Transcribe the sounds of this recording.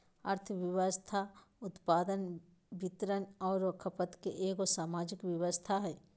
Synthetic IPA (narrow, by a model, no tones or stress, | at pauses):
əɾt̪ʰʋɪʋəst̪ʰa | ʊt̪paːd̪ən | bɪt̪ɾənɔːɾokʰəpət̪keʔeːɡosaːmaːd͡ʒɪkwjɐʋəst̪ʰaɦɛː